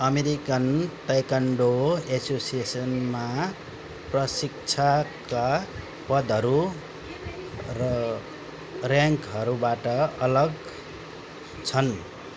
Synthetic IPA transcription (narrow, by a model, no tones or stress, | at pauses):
ʌmeɾikʌntajkaɳɖoesosiesʌnma | prʌsik̚t͡sʰaka | pʌd̪ʱʌɾu | rʌ | rjaŋkɦʌɾubaʈʌʌlʌɡ | t͡sʰʌn